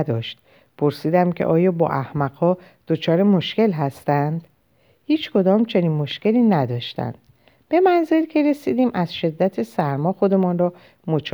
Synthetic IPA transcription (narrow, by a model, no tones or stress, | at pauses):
d̪ɒːʃt̪̚ | pʰoɾsiːd̪æmcʰe̞̰ʔɒːjɒːbɒ̰ːʔæhmæɡhɒː | d̪̥ot͡ʃʰɒːɾe̞moʃce̞lɦæst̪ænd̪̥ | hiːt͡ʃkʰo̞d̪ɒːmt͡ʃʰe̞niːnmo̞ʃce̞liːnæd̪ɒːʃt̪æ̰nd̪̥ | b̥e̞mænze̞ɾcʰe̞ɾe̞siːd̪iːmʔæzʃe̞d̪ːæt̪ʰe̞sæɾmɒːxo̞d̪e̞mɒːnrɒː | mot͡ʃʰ